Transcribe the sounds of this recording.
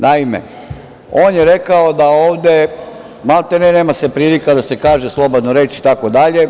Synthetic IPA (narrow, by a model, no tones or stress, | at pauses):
naimḛ | o̞ːnjeɾe̞kaod̪aoːʋd̪e̞ | malt̪eneneːmasepɾiːlikad̪ase̞kaːʒeslˠo̞bod̪noɾe̞ːt͡ʃit̪ako̞d̪aʎe̞